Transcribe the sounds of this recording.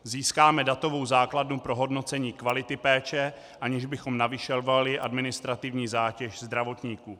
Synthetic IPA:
ziːskaːmɛdat̪o̞vo̞wzaːkladnupɾo̞ɦo̞dno̞t͡sɛɲiːkvalɪt̪ɪpɛːt͡ʃɛ | ʔaɲɛʒbɪxo̞mnavɪʃɛlvalɪʔa̰dmɪnɪst̪ɾat̪ɪvɲiːzaːcɛʃzd̪ɾavo̞t̪ɲiːkuː

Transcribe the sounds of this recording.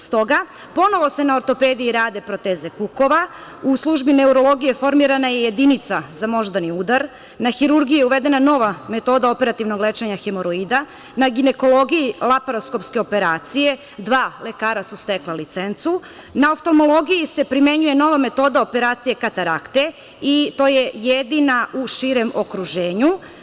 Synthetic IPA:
st̪o̞ɡa | po̞no̞ʋo̞se̞naoɾt̪o̞pe̞ːd̪iiɾaːd̪e̞pɾo̞t̪eːze̞kuko̞ʋauslˠuʒbine̞uɾo̞lˠo̞ɡije̞fo̞ɾmiɾanaje̞je̞d̪init̪sazamo̞ʒd̪aniuːd̪aɾ | naxiɾuɾɡijeuʋed̪e̞nano̞ʋame̞t̪o̞ːd̪ao̞pe̞ɾat̪iʋno̞ɡlet͡ʃeɲaxemoɾoiːd̪a | naɡine̞ko̞lo̞ɡijilˠapaɾosko̞pske̞o̞pe̞ɾaːt̪sije̞ | d̪ʋaːle̞kaːɾasust̪e̞klalit̪sent̪su | naoft̪olmo̞lˠo̞ɡijise̞pɾime̞ɲuje̞no̞ʋame̞t̪o̞d̪ao̞pe̞ɾaːt̪sije̞kat̪aɾakt̪e̞ | it̪o̞ːje̞jed̪inauʃiɾe̞mo̞kɾuʒe̞ːɲu

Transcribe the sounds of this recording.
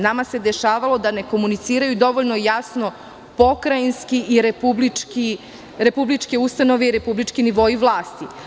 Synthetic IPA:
namase̞d̪e̞ʃaːʋalˠo̞d̪ane̞ko̞munit̪siːɾajud̪o̞ʋoʎno̞jasno̞ | po̞kɾainskiiɾepubliki | ɾe̞publit͡ʃke̞ust̪ano̞ʋe̞iɾe̞publit͡ʃkiniʋo̞iʋlˠaːst̪i

